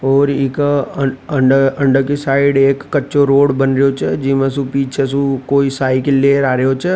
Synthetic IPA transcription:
ɔːɾɪk | əɳɖə̃ɳɖəkesaːɪɖeːkːətːt͡ʃoɾoːɽbənɾejot͡ʃʰɛd͡ʒɪmẽs̬ũpiːt͡ʃʰesũkoːisaːikelːeːɾaːɾejot͡ʃʰɛ

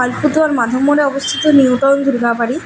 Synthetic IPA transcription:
alpud̪oaɾmad̪ʱomːoɾeɔbost̪ʰit̪oniwʈɔnd̪ʱuɾɡapaɽi

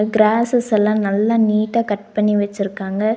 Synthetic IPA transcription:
ɡɾaːsɛsɛlãːnɐlːãniːʈːaːkɐʈ̚pɐɳːiʋɐt͡ʃːɪɾɯkːaːŋɡɐ

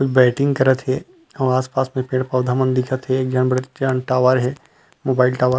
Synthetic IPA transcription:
kʊt͡ʃʰbɛːʈɪ̃ŋɡkɐɾət̪ɦɛ | ɔːɾaːspaːsmẽpẽːʈpɐːd̪ʱamə̃nd̪ɪkʰət̪ɦɛɡjaːnbəɽət͡ʃaːnʈaːʋaːɾɦɛ | moːbaːɪlʈaːʋaːɾ

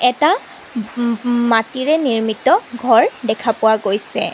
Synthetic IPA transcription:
ɛta | matiɹɛniɹmitɔɡʱɔɹdɛkʰapʊwaɡojsɛ̰

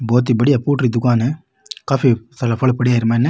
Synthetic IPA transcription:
boːt̪̬ːibɐɽijɐpuːʈɾid̪ʊkaːnɯ | kɐfit̪ɐlɐfɐɭɐpːɐɽijaːjɪɾɯmaːɛnːɐ

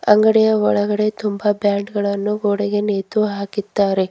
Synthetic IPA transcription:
ɐ̰ŋɡɐɽɛjɐɔɭɐɡɐɽe̞t̪umbɐbjaːɳɖɡɐɭɐnːuɡoːɽɐɡe̞neːt̪uɦaːkit̪ːaːɾe̞

